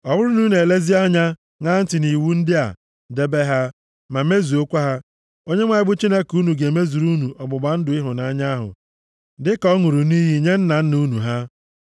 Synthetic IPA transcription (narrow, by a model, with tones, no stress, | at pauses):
ɔ˨bʊ˦ɾʊ˦nu˦ne˨le˦zi˦a˦ɲa˦ | ŋa˦n̩˦tɪ˨ni˨wu˦n̩˦dɪ˦a̰˨ | de˦be˦ɦa˦ | ma˨me˦zu˨o˦kʷa˦ɦa˦ | o˦ɲe˦ŋʷa˨ɪ˦bʊ˦t͡ʃi˦ne˦ku˦nu˨ɡe˨me˦zu˨ɾu˦nu˨ʔɔ˨ɡ͡bʊ˨ɡ͡ba˨˦n̩˦dʊ˨˦ɪ˦ɦʊ˨na˨˦ɲa˦a˦ɦʊ̰˨ | dɪ˦kɔ˦ŋu˨ɾu˨niː˦ɦi˨ɲe˦n̩˦na˨n̩˦nu˦nu˨ɦa˦